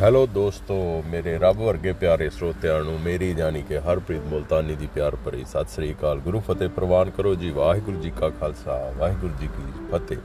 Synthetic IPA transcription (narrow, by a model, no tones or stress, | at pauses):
ɦɛːloːd̪oːst̪oːmeːɾeːɾəbʋəɾɡeːpjaːɾeːsɾoːt̪ejaːnũːmeːɾiːd͡ʒaːniːkeːɦəɾpɾiːt̪mʊlt̪aːniːd̪iːpjaːɾpəɾḭːsət̪sɾiːkaːlɡʊɾuːpʰət̪eːpɾəʋaːnkəɾoːd͡ʒiːʋaːɦiɡʊɾd͡ʒiːkaːkʰaːlsa̰ːʋaːɦiɡʊɾd͡ʒiːkiːpʰət̪ḛː